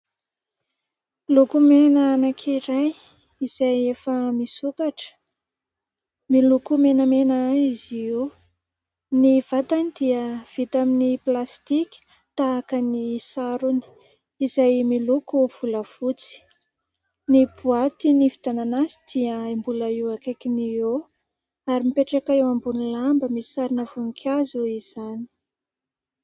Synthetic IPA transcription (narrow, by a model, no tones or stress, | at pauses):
lukumenəːnakʰiɾaj | iz̥ajefəmisukaʈ͡ʂə̥ | milukumenəmenəizio | niv̥at̪anid̪̥iəv̥it̪aminiplast̪ikʲi̥ | t̪aːkənisaɾunə̥ | izajmilukuv̥uləv̥ut͡si̥ | nibuat̪inivit̪ananazi̥d̪̥iəimbuləiwakekinio | aɾimipeʈ͡ʂekaewambunilambəmisaɾinəvuŋkʰazuiz̥ani̥